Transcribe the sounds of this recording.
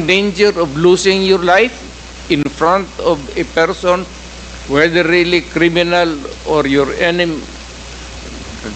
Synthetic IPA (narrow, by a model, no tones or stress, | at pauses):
ɖẽnd͡ʒəɾɔvluːsɪ̃ŋjɔɾlaɪf | ɪ̃nfɾãntɔvepɛɾsɔ̃n | wɛd̪əɾːilikɾiminalɔɾjɔɾɛnim